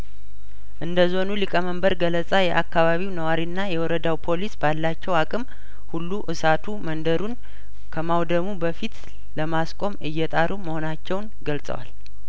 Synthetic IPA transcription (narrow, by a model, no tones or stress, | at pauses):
ʔɨnd̪əzo̞nulikʼəməmbəɾɡələt͡sʼajɛʔakːaβaβiwnəwaɾinːajɛwɔɾəd̪awpʰo̞lisbalːat͡ʃːɛwakʼɨm | hulːuʔɨsat̪ʰumənd̪əɾun | kʰəmawd̪əmubəfit̪ | ləmaskʼo̞mɨjːɛt̪ʼaɾuməho̞nat͡ʃːɛwnɡəlsʼə̰wa̰l